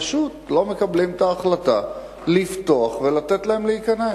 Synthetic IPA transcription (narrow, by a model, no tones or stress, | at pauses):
ʃut̪lo̞me̞kablimt̪aːχlat̪a | lift̪oaχvelat̪et̪laemleikane